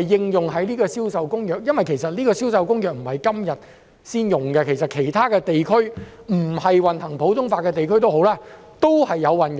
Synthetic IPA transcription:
jːɪ˧ŋjʊ˨ŋɦɐ˨˥jniː˥kɔː˧siː˥wsɐ˧wkʊ˥ŋjœː˨k̚jɐ˥nwɐ˨jkʰe˨˩jsɐ˨t̚liː˥kɔː˧siː˥wsɐ˨˧wkʊ˥ŋjœː˨k̚m̩˨˩hɐ˨jkɐ˥mjɐ˨t̚ | siː˥njʊ˨ŋkɛ˧kʰe˨˩jsɐ˨t̚kʰe˨˩jt̪ʰaː˥kɛː˧t̪e˨jkʰɵ˥ɥ | m̩˨˩hɐ˨jwɐ˨nhɐ˨˩ŋpʰo˨˥wt̪ʊ˥ŋfaː˧t̚kɛː˧t̪e˨jkʰɵ˥ɥt̪o˥who˨˥wlaː˥ | t̪o˥whɐ˨jːɐ˨˧wwɐ˨˩nj

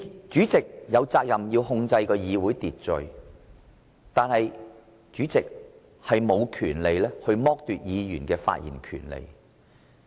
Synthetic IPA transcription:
t͡ʃyː˨˥t͡sɪ˨k̚jɐ˨˧wt͡saː˧k̚jɐ˨mjiː˧whʊ˧ŋt͡sɐ˧jkɔː˧jiː˨˧wu˨˥jt̪iː˨t̚t͡ʃɵ̰˨ɥ | t̪aː˨nhɐ˨j | t͡ʃyː˨˥t͡sɪ˨k̚ | hɐ˨jmo˨˧wkʰyː˨˩nle˨jlɛː˥hɵ˧ɥmɔː˥k̚t̪yː˨t̚jiː˨˧jyː˨˩nkɛː˧fa̰ː˧t̚jḭː˨˩nkʰy̰ː˨˩nlḛ˨˧j

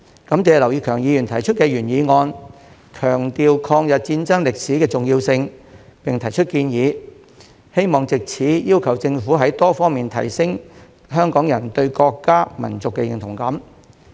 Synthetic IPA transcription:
kɐ˨˥mt͡sɛː˨˧lɐ˨˩wjiː˧kʰœː˨˩ŋjiː˨˧jy˨˩nt̪ʰɐ˨˩jt͡ʃʰɵ˥t̚kɛː˧jyː˨˩njiː˨˧ŋɔː˧n | kʰœː˨˩ŋt̪iː˨wkʰɔː˧ŋjɐ˨t̚t͡siː˧nt͡sɐ˥ŋlɪ˨k̚siː˨˥kɛː˧t͡sʊ˨ŋjiː˧wsɪ˧ŋpɪ˨ŋt̪ʰɐ˨˩jt͡ʃʰɵ˥t̚kiː˧njiː˨˧ | he˥jmɔː˨ŋt͡sɪ˨k̚t͡sʰiː˨˥jiː˥wkʰɐ˨˩wt͡sɪ˧ŋfuː˨˥ɦɐ˨˥jt̪ɔː˥fɔː˥ŋmiː˨nt̪ʰɐ̰˨˩jsɪ˥ŋ | ɦœː˥ŋkɔː˨˥ŋjɐ˨˩nt̪ɵ˧ɥkɔː˧kːaː˥mɐ̰˨˩nt͡sʊ˨kːɛ˧jɪ̰˨ŋt̪ʰʊ˨˩ŋkɐ˨˥m

